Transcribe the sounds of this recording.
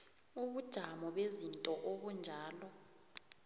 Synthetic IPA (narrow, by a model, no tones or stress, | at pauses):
uɓud̥ʒ̥ʱamɔɓezintʼɔʔoɓund͡ʒʱaːlɔ